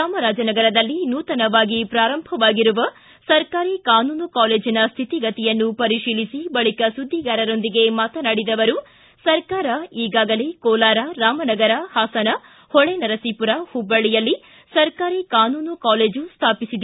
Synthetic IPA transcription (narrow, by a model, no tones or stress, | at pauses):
ɾaːmɐɾaːd͡ʒɐnɐɡɐɾɐd̪ɐlːinuːt̪ɐnɐʋaːɡipɾaːɾɐmbʱɐʋaːɡiɾuʋɐ | sɐɾkaːɾiːkaːnuːnukaːleːd͡ʒinɐst̪ʰit̪iɡɐt̪ijɐnːupɐɾiʂiːlisibɐɭikɐsud̪ʱːiɡaːɾɐɾo̞nd̪iɡe̞maːt̪ɐnaɽid̪ɐʋɐɾu | sɐɾkaːɾɐiːɡaːɡɐlekɔːlaːɾɐɾaːmɐnɐɡɐɾɐhaːsɐnɐ | hɔɭenɐɾɐsiːpuɾɐhubːɐɭijɐlːi | sɐɾkaːɾiːkaːnuːnukaːleːd͡ʒust̪ʰaːpisid̪